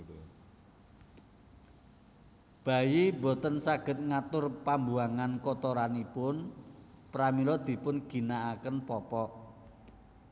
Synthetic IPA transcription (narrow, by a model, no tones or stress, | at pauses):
b̥ä̤jimbɔ̤t̪ənsaɡ̥ə̤t̪̚ŋat̪ʊrpambuaŋankɔt̪ɔɾanipʊnpɾamilɔd̪̥i̤pʊnɡ̥i̤naːkənpɔpɔʔ